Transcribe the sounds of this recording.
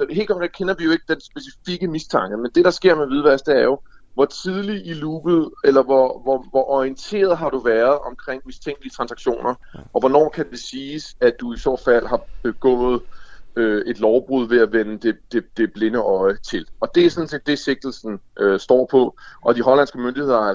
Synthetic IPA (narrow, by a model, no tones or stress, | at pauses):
sɒɦe̝ːlɡkʰɒ̽mkʰʁeŋkʰenɐʋijo̝e̝ɡ̥əd̥ensb̥e̝sifiɡ̥əmist͡sʰɑ̈ŋɡ̥əmend̥e̝ɾ̥ɑ̈sɡ̥e̝ɐ̰meʋið̞ˠʋæɐsd̥əæɐjo̝ | ʋɒt͡sʰið̞ˠliiluːb̥ð̩ˠelɐʋɒʋɒʋɒʔɒiənt͡sʰe̝̰ːɐð̞̩ˠɦɑ̈ɾ̥uʋæɐð̞̩ˠɒ̽mkʰʁeŋ̰mist͡sʰeŋ̰ɡ̥lit͡sʰʁɑ̈nsɑ̈ɡ̥ɕo̝̰ːnɐ | ʔɒ̽ʋɒnɒ̰ːkʰæd̥e̝siːsæd̥uisɔ̰ːd̥fæl̰ɦɑ̈b̥e̝ɡ̥ɔ̰̽ːð̞̩ˠøe̝d̥lɒʊb̥ʁuð̞̰ˠʋe̝æʋenəd̥e̝d̥e̝d̥e̝b̥le̝nəʔɒ̽ɪət͡sʰe̝lɒ̽d̥e̝æsɒ̽n̩se̝ːd̥e̝se̝ɡ̥̚d̥l̩sn̩ʔøsd̥ɒ̰ːpʰɒ̽ʔɒ̽d̥iɦɒ̽læn̰sɡ̥əmønd̥ihe̝ðˠɐ